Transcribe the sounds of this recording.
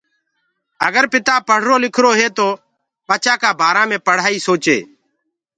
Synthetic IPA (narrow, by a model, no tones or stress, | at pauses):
əɡəɾpɪt̪aːpəɽ̤ɾoːlɪkʰɾoːɦeːt̪oː | pət͡ʃaːkaːbʱaːɾãːmẽːpəɽ̤aːiːsoːt͡ʃḛː